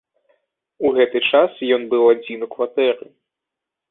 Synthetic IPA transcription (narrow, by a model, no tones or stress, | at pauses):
uɣɛt̪ɨt͡ʂasjɔnbɨwad͡zʲinukvat̪ɛɾɨ